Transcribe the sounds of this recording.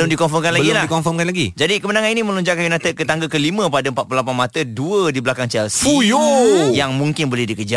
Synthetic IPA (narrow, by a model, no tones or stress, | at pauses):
lʊndikɔnfɔrmkanlaɡilaikɔnfɔmkanlaɡid͡ʒadikəmənaŋãninimə̃lɔɲd͡ʒaʔkanjunat̪əkət̪aŋɡəkəlimə̃padaəmpat̪̚plulapanmat̪əduədibəlakaŋt͡ʃɛlsujojaŋmuŋkɪnbolɛhdikəd͡ʒa